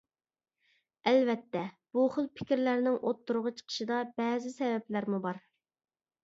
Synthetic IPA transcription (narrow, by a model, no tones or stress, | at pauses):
ɛlvɛt̪ʰːɛ | b̥uχəlˠpʰɪ̥kʲiɾlæɾnɪŋʔot̪ːuɾʊʁɑt͡ʃʰə̥qʰə̥ʃɨd̪ɑb̥ɛːzɪsɛvɛplæɾmubɑɾ